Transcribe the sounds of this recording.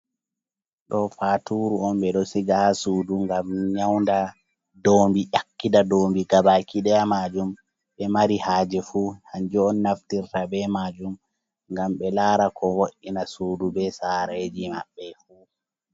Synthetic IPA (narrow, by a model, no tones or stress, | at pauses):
ɗɔfatuɾuɔmɓɛɗɔsiɡahsuːduŋɡamɲawnda | dombiʔakːidadoːmbiɡabakiɗɛjamaːd͡ʒum | ɓɛmaɾihaːd͡ʒɛfuːhaɲd͡ʒɔɔnːaftiɾtabɛmad͡ʒum | ŋɡamɓɛlaːɾakʰɔwoʔinasuːdubɛsaɾed͡ʒima̰ɓːɛfuː